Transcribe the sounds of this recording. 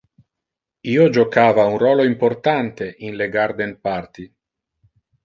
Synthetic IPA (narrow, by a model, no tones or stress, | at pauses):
iːod͡ʒokaːvaunrɔːloimport̪ant̪eʔinleɡaɾd̪enpart̪i